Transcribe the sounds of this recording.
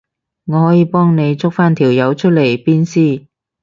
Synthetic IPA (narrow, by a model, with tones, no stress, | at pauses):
ŋɔː˨˧hɔː˨˥jiː˨˧˥pɔː˥ŋne˨˧jt͡sʊ˥k̚faː˥nt̪ʰiː˨˩wjɐ˨˧wt͡ʃʰɵ˥t̚le˨˩jpiː˥nsiː˥˩